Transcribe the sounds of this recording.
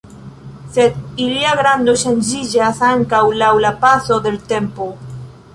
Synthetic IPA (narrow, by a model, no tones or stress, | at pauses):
se̞d̪iliaɡɾand̪o̞ʃand͡ʒid͡ʒasaŋkawlawlapaso̞d̪e̞lt̪e̞mpo̞